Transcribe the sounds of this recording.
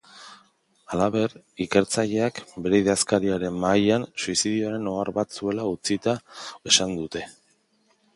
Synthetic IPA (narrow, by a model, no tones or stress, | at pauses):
alaβe̞r | ike̞ɾt͡saʎe̞akbe̞ɾe̞iðaskaɾiaɾe̞mːajansuisiðio̞aɾe̞no̞aɾβat͡sue̞laut͡sit̪ae̞sand̪ut̪e̞